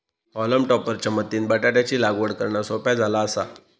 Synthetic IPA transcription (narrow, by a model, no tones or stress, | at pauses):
ɔləmʈɔpəɾt͡ɕamət̪ːiːnbəʈaʈjat͡ɕiːlaɡʋəɽkəɾɳasopjad͡zʱalaəsa̰